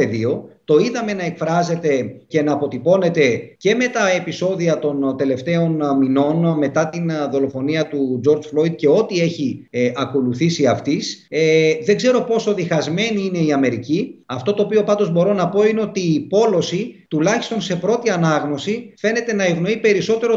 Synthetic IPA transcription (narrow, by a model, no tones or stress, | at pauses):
eðio̞t̪o̞iðɐme̞nɐe̞kfɾɐze̞t̪e̞ce̞nɐːpo̞t̪ipo̞ne̞t̪e̞ce̞me̞t̪ɐepiso̞ðiɐt̪o̞nt̪e̞le̞ft̪e̞o̞nmino̞nme̞t̪ɐt̪inðo̞lo̞fo̞niɐt̪ud͡ʒo̞ɾd͡zflo̞id̪̚ce̞o̞t̪ie̞çiʔɐko̞luθisiɐft̪is | ðe̞ɡze̞ɾo̞po̞so̞ðixɐzme̞niine̞iɐme̞ɾiciɐft̪o̞t̪o̞ːpio̞pɐnd̪ozbo̞ɾo̞nɐpo̞ine̞o̞t̪iːpo̞lo̞sit̪ulɐçist̪o̞nse̞pɾo̞t̪iɐnɐɣno̞sife̞ne̞t̪e̞nɐe̞vno̞ipe̞ɾiso̞t̪e̞ɾo